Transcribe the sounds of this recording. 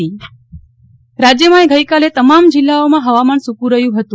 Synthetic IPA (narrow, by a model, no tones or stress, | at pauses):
i | ɾad͡ʒjəmãeɡəjkalet̪əmamd͡ʒɪlːaomãɦəʋamansukũɾəɦjũɦət̪ũ